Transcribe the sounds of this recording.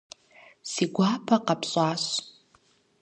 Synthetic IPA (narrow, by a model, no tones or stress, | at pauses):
siɡʷaːpʰaqapʰɕʼaːɕ